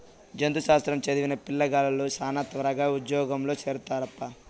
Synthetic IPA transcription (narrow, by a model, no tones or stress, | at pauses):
d͡ʒɐnd̪uʃaːst̪ɾɐmt͡ʃɐd̪iʋinɐpilːɐɡaːlɐlusaːnɐt̪ʋɐɾɐɡaːud̪jɔːɡɐmlo̞ːt͡ʃeːɾut̪aːɾɐpːɐ